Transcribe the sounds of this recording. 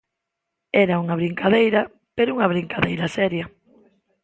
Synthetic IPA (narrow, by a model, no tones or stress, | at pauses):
ɛɾauŋaβ̞ɾiŋkaðejɾɐ | peɾouŋaβ̞ɾiŋkaðejɾɐsɛɾjɐ